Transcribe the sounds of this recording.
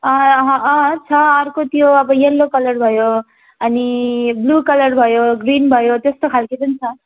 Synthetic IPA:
ʌ̃ʌɦʌ̃ʔʌ̃t͡sʰʌʌrkot̪joʌbʌjelːokʌlʌrbʱʌjo | ʌniblukʌlʌrbʱʌjoɡrinbʱʌjot̪est̪okʰalkipʌnit͡sʰʌ

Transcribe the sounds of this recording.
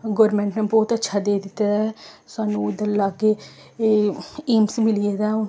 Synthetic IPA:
ɡoːɾmɛ̃ːɳʈnaːbɔːt̪ətːʃʰaːd̪eːd̪ɪt̪ːasʊaːnũːd̪əlaɡeː | iːmsmɪlieːd̪aː

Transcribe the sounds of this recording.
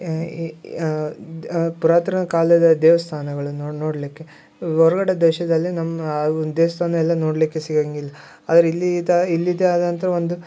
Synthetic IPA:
puɾaːt̪ɾɐnɐkaːlɐd̪ɐd̪ɛːʋɐst̪ʰaːnɐɡɐɭunonoːɽɐlikːe̞ | ɔɾɐɡɐɽed̪ɛːʃɐd̪ɐlːinɐmːɐd̪eːʋɐst̪ʰaːnɐɛlːɐnoːɽɐlikːe̞siɡaŋɡilːɐ | aːd̪ɐɾeilːid̪ɐilːid̪eaːd̪ɐnt̪ɐɾɐʋond̪u

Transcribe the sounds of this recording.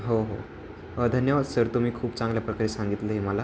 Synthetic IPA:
ɦoɦo̰ | əd̪ʱənjəʋad̪səɾt̪um̤iːkʰuːbt͡sãŋɡljapɾəkaɾeːsãŋɡit̪leɦeməla

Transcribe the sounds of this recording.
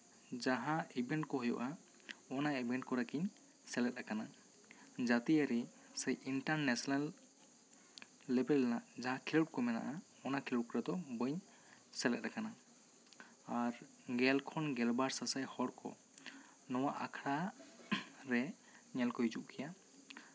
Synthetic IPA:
d͡ʒaɦãibɛɳʈkɔɦɔjɔ̰ʔa | ɔnaibɛɳʈ̚kɔɾakiɲ | sɛlɛt̪̚ɾakana | d͡ʒat̪iaɾi | sɛjʔiɳʈaɾnɛsɔnal | ɛbɛlnaʔd͡ʒaɦãkʰilɔʈ̚kɔmɛna̰ʔa | ɔnakʰilɔʈ̚kɔɾad̪ɔbəɲ | sɛlɛt̪̚ɾakana | aɾ | ɡɛlkʰɔnɡɛlbaɾsasajhɔɽkɔ̰ | nɔwaʔakʰɾa | ɾɛ | ɲɛlkɔɦid͡ʒuʔkʰija

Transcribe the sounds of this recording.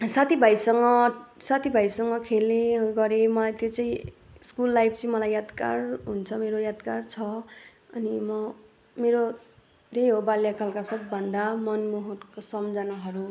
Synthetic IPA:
sat̪ʰibʱajsʌŋɡʌsat̪ʰibʱajsʌŋɡʌkʰelneɡʌɾemʌlajt̪jot͡sãĩ | skulːajp̚ʰt͡sʌĩmʌlajjad̪ka̰rɦunt͡sʰʌmeɾojad̪kart͡sʰʌ | ʌnimʌ | meɾo | d̪ʱejɦobaljakʰʌlkasʌbːʱʌnd̪amʌnmuɦorkosʌmd͡zanaɦʌɾu

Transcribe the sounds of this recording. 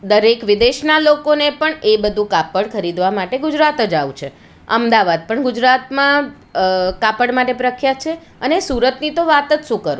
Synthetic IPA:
d̪əɾekʋɪd̪eʃnalokonepəɳebəd̪ʱũkapəɽkʰəɾid̪ʋamaʈeɡʊd͡ʒɾat̪əd͡ʒaʋũt͡ʃʰe | ə̰md̪aʋad̪̚pəɳɡʊd͡ʒɾat̪mã | kapəɽmaʈepɾəkʰjat͡ʃʰe | ənesuɾət̪nit̪oʋat̪ət͡ʃʃũkəɾũ

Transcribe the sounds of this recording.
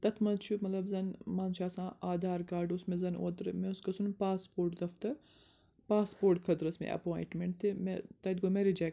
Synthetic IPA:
t̪ɐt̪ʰmɐzt͡ʃʰumɐt̪lɐbzɐnmaːnt͡ʃʰaːsãːaːd̪aːɾkaːɾɖʊsmẽzɐno̰ːt̪ɾɨmẽʊskɐsunpaːspoːɾʈd̪ɐft̪ɐɾ | paːspoːɾʈkʰɐt̪ɾɐsmḛʔɐ̰poːjḭ̃ʈmẽɳʈt̪ʰemet̪ɐd̪̚ʲɡomeɾed͡ʒe

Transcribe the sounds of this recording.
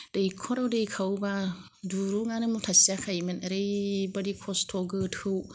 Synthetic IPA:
d̥ejkʰɔɾawdejkʰawba | duɾuŋanɯmutʰasiakʰajmɯnaɾejbadikʰɔstʰɔɡɯt̚hʰɯw

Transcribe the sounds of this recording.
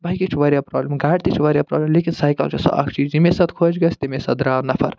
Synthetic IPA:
bajkit͡ʃʰʋɐɾjapɾɔːblemɡaːʈt̪it͡ʃʰʋɐɾjapɾɔ̰ːblemlekinsajkɐ̰lt͡ʃesɔ̰ʔɐ̰kʰʈid͡ʒimesɐt̪kʰod͡ʒɡɐst̪imesɐd̪ɾaːwnɐpʰɐɾ

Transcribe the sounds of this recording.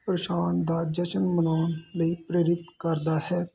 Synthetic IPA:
pɾəʃaːnd̪aːd͡ʒəʃənmənaːnləiːpɾeːɾɪt̪kəɾd̪aːhɛː

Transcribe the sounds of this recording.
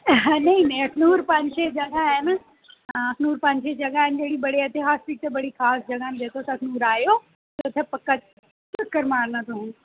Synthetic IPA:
nɐɦĩnɐ̃ĩɐknuːɾpɐ̃ɲʃed͡ʒɐɡaɦɪn̆ | ɐknuːɾpɐ̃ɲʃed͡ʑɐɡaːɦɪnd͡ʑeːɽibɐɽiɐt̪ʰeɦaːspik̚t̪ebɐɽixaːsd͡ʑɐɡaːɦɪnɪ̆d͡ʑeːt̪ʰosɐɐkʰnuːɾaːjoː | t̪ot̪ʰepɐkə | pɐkəɾmaːɾlãt̪oɦũ

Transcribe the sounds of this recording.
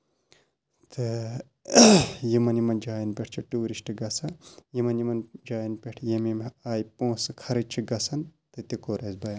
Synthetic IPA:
t̪ʰɨ | jimɐnjimɐnd͡ʒaːjinpʲeʈʰt͡ʃʰiʈuːɾisʈɨɡɐsɐjimɐnjimɐnd͡ʒaːjinpʲeʈʰjemimaːjpõːsɨkʰɐɾɐt͡ʃʰiɡɐsʰɐnt̪ɐt̪ikoːɾɐzbɐjɐ

